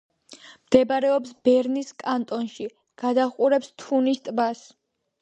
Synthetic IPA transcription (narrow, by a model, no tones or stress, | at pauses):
md̪̥ɛbaɾɛɔpsbɛɾniskʼant̪ʼɔnʃi | ɡ̥ad̪aχʼuɾɛpst̪ʰunist̪ʼbas